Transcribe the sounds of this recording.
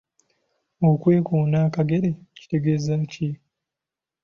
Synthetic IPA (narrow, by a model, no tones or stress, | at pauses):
okwe̞ːkoːnaːkaɡe̞ɾeci̥te̞ɡe̞ːzaːci